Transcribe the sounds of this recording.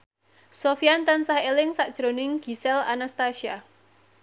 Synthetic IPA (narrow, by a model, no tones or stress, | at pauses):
sofiant̪ansahelɪŋsaʔd̥ʒ̥ɾo̤nɪŋɡ̥i̤sɛla̰nast̪aʃia